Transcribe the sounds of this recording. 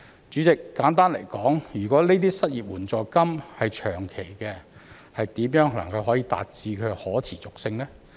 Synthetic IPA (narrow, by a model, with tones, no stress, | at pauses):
t͡ʃyː˨˥t͡sɪ˨kːaː˨˥nt̪aː˥nle˨˩jkɔː˨˥ŋjyː˨˩kɔː˨˥neː˥t̪iː˥sɐ˥t̚jiː˨˩p̚wuː˨˩nt͡sɔː˨jkɐ˥mhɐ˨jt͡ʃʰœː˨˩ŋkʰe˨˩jkɛː˧ | hɐ˨jt̪iː˨˥mjœː˨˥ŋ˨lɐ̰˨˩ŋkɐ˧wɦɔː˨˥jiː˧t̪a̰ː˨t̚t͡siː˧kʰɵ˨˧ɥhɔː˨˥t͡sʰiː˨˩t͡sʊ˨k̚sɪ˧ŋlɛː˥